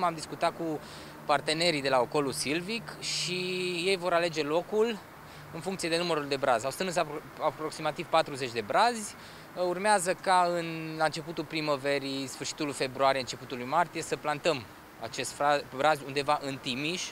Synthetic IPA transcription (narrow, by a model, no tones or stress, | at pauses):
mamd̪iskut̪at̪̚ku | part̪e̞ne̞ɾijd̪e̞laoko̞lusilvikʃije̞jvo̞ɾale̞d͡ʒe̞lo̞kul | ɨnfuŋkt̪sie̞d̪e̞numəɾuld̪e̞bɾazʲawst̪ɨnɨsa | apɾo̞ksimat̪iv̥pat̪ɾuze̞t͡ʃʲd̪e̞bɾazʲ | urmeazəkaɨnlant͡ʃe̞put̪ulpɾimove̞ɾisfɨrʃi̥t̪ulfe̞bɾuaɾijeɨnt͡ʃe̞put̪ulujmart̪ije̞səplant̪əm | a̰t͡ʃe̞st̪fɾabɾazʲund̪e̞vaʔɨnt̪imiʃʲ